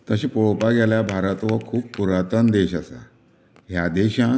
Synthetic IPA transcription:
t̪əɕiːpɔɭopaɡaljabʱaɾət̪ʋəkʰuːppːuɾat̪ənd̪eɕasa̰ | ɦjad̪eɕã

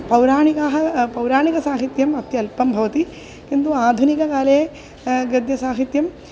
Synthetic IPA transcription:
pɐwɾaːɳikaːɦɐpɐwɾaːɳikɐsaːɦit̪jɐmɐt̪jɐlpɐmbʱɐʋɐt̪i | kint̪uaːd̪ʱunikɐkaːleː | ɡɐd̪jɐsaːɦit̪jɐm

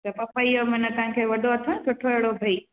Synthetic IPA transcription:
t̪ɐpɐpɐiomɪnət̪ɐɦãkʰeʋɐɗoɐt̪ʰãkʊʈʰoeɽobʱɐi

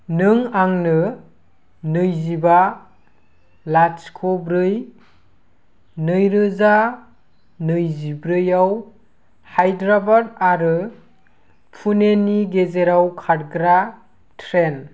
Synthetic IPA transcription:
nɯŋaŋnɯ | nɯjziba | lat͡ʃkʰobɾɯj | nɯjɾɯza | nɯjzibɾɯjaw | hajdɾabadaɾɯ | pʰuneniɡezeɾawkʰaɾɡɾa | tʰɾen

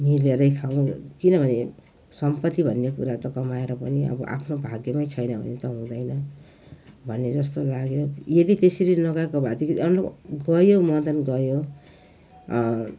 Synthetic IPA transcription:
mileɾʌjkʰaw̃kinʌbʱʌne | sʌmpʌt̪ːibʱʌnːekuɾat̪ʌkʌmaeɾʌpʌniʌ̰bʌ̰ʔa̰pʰnobʱaɡjʌmajt͡sʰʌjnʌbʱʌ̰net̪ʌɦũd̪ʌjnʌ | bʱʌnːed͡zʌst̪olaɡjojed̪it̪eseɾinʌɡakobʱad̪ikʌlɡʌjomʌd̪ʌnɡʌjo

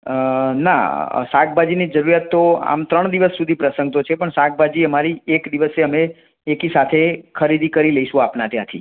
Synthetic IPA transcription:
na̰sak̚bʱad͡ʒinid͡ʒəɾuɾjat̪ːoa̰mt̪ɾəɳd̪iʋəsːud̪ʱipɾəsə̃ŋɡ̚t̪ot͡ʃʰepəɳsak̚bʱad͡ʒiəmaɾiekd̪iʋəseəmeː | kisat̪ʰekʰəɾid̪ʱikəɾiləiʃũapnat̪jãt̪ʰḭ

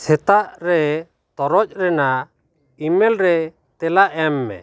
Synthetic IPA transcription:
sɛt̪aʔɾɛ | t̪ɔɾɔc̚ˀɾɛna | imɛlɾɛ | t̪ɛlaʔɛmːɛ̰

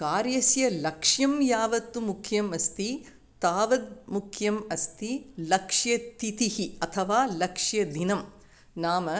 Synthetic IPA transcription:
kaːɾjɐsjɐlɐkʂjɐmjaːʋɐt̪ːumukʰjɐmɐst̪i | t̪aːʋɐd̪̚mukʰjɐmɐst̪ilɐkʂjɐt̪it̪ihiɐt̪ʰɐʋaːlɐkʂjɐd̪inɐm | naːmɐ

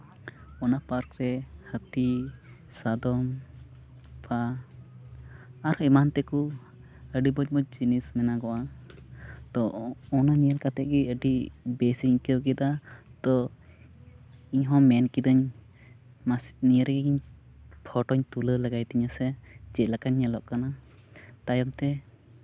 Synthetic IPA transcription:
ɔnapaɾkɾɛhət̪i | sad̪ɔm | pa | ɾimant̪ɛku | əɖibɔd͡ʒbɔd͡ʒinismɛnaɡɔwa | t̪ɔɔnanijəlkat̪ɛʔ̚ɡiəɖibɛsiɲkəwkɛd̪at̪ɔ | iɲɦɔ̃mɛnkid̪əɲ | masniəɾɡɡiɲ | pʰɔʈɔɲt̪uləlaɡajt̪iɲasɛd͡ʒɛlakaɲːɛlɔʔ̚kanat̪ajɔmt̪ɛ

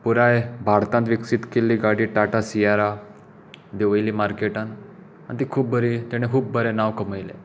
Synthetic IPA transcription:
puɾajbʱaɾt̪ant̪ʋiksit̪kelːiːɡaɽiːʈaʈasiaɾa | d̪eʋəjliːmaɾkeʈãn | a̰nt̪iːkʰuːp̚bʱəɾit̪ɛɽ̃ekʰuːb̚bʱəɾenaʋkəməjlḛ

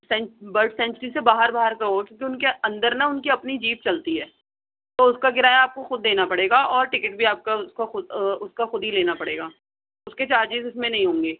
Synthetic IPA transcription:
sɛ̃bɐlʈsɛ̃ɲt͡ʃəɾisebaːɦəɾbaːɦəɾkɐɾokjõːk̬iʊnkeɐ̃nd̪əɾnaʊnkiɐpnid͡ʒiːp̚t͡ʃɐlt̪iɦɛː | t̪oʊskaɡɪɾaːjaaːp̚koxʊd̪ːeːnapɐɽeːɡaʔɔːɾʈɪkɪʈ̚bʱiaːp̚kaskaxʊʊskaxʊd̪ɦileːnapɐɽḛːɡaː | ʊsket͡ʃaːɾd͡ʒɪzɪsmẽnɐɦĩɦõːŋɡeː

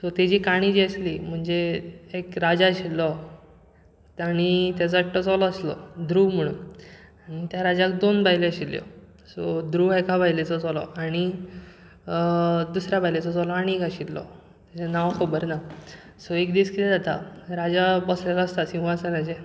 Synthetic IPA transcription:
sɔt̪ed͡ʑiːkaɽ̃id͡ʑiəslim̤əɳd͡zeekɾad͡zaɕillːɔ | aɽ̃it̪jat͡sɔʈːət͡sɔlɔəslɔ̰d̪ɾuːm̤əɽ̃ṵːnaɽ̃it̪jaɾad͡zakd̪onbajleəɕiljɔ̰ | sɔd̪ɾuːekabʱajlet͡sɔt͡sɔlɔ̰ʔaɽ̃i | d̪usɾjabajlet͡sɔt͡sɔlɔaɽ̃iekaɕit̪lɔ̰ | t̪at͡sanaʋkʰəbəɾna | sɔekd̪iːskit̪ed͡zat̪aɾad͡zabɔslalaəst̪asĩʋasaɾad͡ʑe

